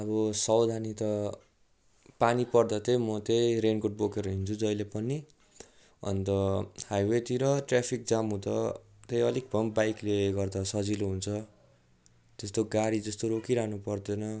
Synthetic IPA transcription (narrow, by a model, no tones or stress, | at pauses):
ʌbʌsʌwd̪ʱanit̪ʌ | panipʌrd̪ʌt̪emʌt̪ejɾenkoʈ̚bokeɾʌɦint͡sʰud͡zʌjlepʌni | ʌ̰nt̪ʌhajwet̪iɾʌʈrapʰik̚d͡zamɦũd̪ʌ | t̪ejʌlek̚d̪ʱʌmbajkleɡʌrd̪ʌsʌd͡ziloɦunt͡sʰʌ | t̪est̪oɡaɾid͡zʌst̪oɾokiɾanupʌrd̪enʌ